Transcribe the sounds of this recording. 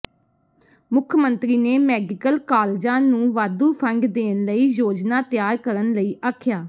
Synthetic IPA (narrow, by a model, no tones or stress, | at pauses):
mʊkʰmənt̪ɾiːneːmɛːɡɪkəlkaːld͡ʒãːnũːʋaːd̪uːpʰəŋɡd̪eːnləiːjoːd͡ʒnaːt̪ɪjaːɾkəɾənləiːʔaːkʰjaː